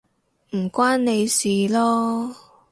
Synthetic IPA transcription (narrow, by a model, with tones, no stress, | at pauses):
m̩˨˩kʷaː˥nne˨˧jsiː˨lɔː˥